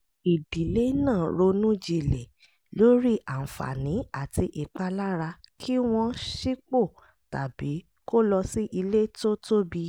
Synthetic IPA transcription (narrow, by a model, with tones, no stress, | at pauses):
i˨di˨le˦nãː˦˨ɾo˧nũ˦d͡ʒi˧˨lɛ˨ | lo˨˦ɾi˦a˨n̩˨fa̰˨nĩ˨˦a˦˨ti˧ʔi˨k͡pa˧la˦ɾa˧kʰi˦w̃ɔ̃˧ʃi˦k͡po˦˨ | ta̰˨bi˨˦ | ko˦lɔ˧si˦ʔi˧le˦to˦to˦bi˧